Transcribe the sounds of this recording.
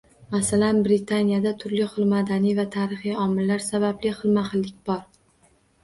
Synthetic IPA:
masalanbɾɪt̪ʰanijad̪at̪ʰʊɾlɪχɨlˠmad̪anijvat̪ʰaɾɪχijɒmɪlːaɾsabablɪχɨlˠmaχɨlːɪk̚ʲbɒɾ

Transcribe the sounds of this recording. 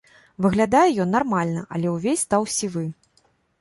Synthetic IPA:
vɨɣlʲad̪ajɛjɔnːarmalʲnɐʔɐ̰lʲɛwvʲesʲst̪awsʲivɨ

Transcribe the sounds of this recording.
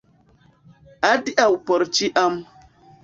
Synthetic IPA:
adiʔawupɔɾt͡ʃiʔam

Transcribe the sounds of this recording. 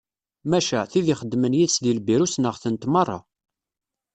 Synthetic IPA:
mæʃæθiðiχəd̪ːmənjiðsðilbiɾusnəʁθənt̪mɑrˤːɑ̰

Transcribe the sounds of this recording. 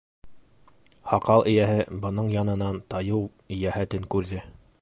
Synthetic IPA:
hɑqɑlˠɘ̆jæɦɘbɤ̆nɤɴjɑnɤ̆nɑnt̪ɑjɤw | jæhæt̪ɘŋkʉɾðɘ

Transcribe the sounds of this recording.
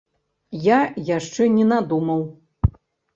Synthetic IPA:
jajaʂt͡ʂɛnʲɛnad̪umɐw

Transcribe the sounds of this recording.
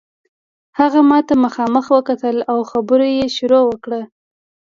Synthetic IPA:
haɣamɑt̪aməxɑməxwəkat̪əlawxabəɾojeʃʊɾowəkɽə

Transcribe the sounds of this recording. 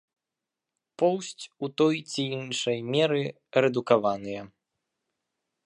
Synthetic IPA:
pɔwsʲt͡sʲut̪ɔjt͡sʲijinʂɐjmʲɛɾɨ | ɾɛd̪ukavanɨjɐ

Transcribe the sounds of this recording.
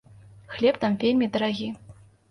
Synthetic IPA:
xlʲɛpt̪amvʲelʲmʲid̪ɐɾaɣʲi

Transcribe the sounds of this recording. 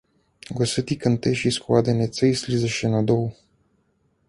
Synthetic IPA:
ɡosət̪ikənt̪eʃiskuad̪enet̪səjslʲizəʃenad̪ow

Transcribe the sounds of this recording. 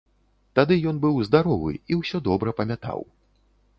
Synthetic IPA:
t̪ad̪ɨjɔnbɨwzd̪aɾɔvɨ̰iwsʲɔd̪ɔbɾɐpɐmʲat̪a̰w

